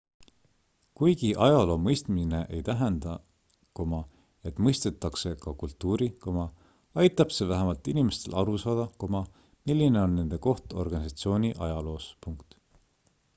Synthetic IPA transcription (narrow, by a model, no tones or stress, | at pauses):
kujɡ̥iʔɑjɑlo̞ːmɤjst̪mine̞ʔejt̪æɦend̪̥ɑ | komɑ | e̞t̪ːmɤjst̪e̞t̪ːˑɑkse̞kɑkult̪ːuːɾikomɑ | ɑjt̪ːˑɑb̥se̞væɦemɑlt̪inime̞st̪e̞lʔɑɾusɑːd̪̥ɑkomɑ | milːine̞o̞nːe̞nd̪̥e̞ko̞ht̪o̞̰rɡ̥ɑnisɑt̪sio̞ːnʲiʔɑjɑlo̞ːspuŋkt̪